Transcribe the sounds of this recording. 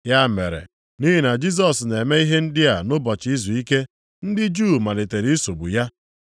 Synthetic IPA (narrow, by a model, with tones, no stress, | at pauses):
ja˦mḛ˨ɾḛ˨ | ni˦ɦi˨na˨d͡ʒi˦s̬ɔ˨sne˨me˦i˦ɦe˦n̩˦dɪ˦a˨nʊ˦bɔ˨t͡ʃi˦zu˨i˦ke˦ | n̩˦dɪ˦d͡ʒu˦˨ma˨le˨te˨ɾi˦so˨bu˨ja˦